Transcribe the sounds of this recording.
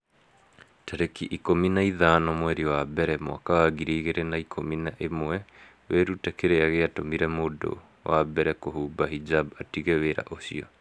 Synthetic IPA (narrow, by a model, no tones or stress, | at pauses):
taɾekiʔikominaiðanɔmwɛɾiɔwabɛɾɛmwa̰kawaɣiɾiːɣeɾenaikʰominaʔemwɛ | weɾutekeɾeaɣeatomiɾɛmodo̰ | wabɛɾɛkohuːbahid͡ʒabatiɣeweɾa̰ʔosiɔ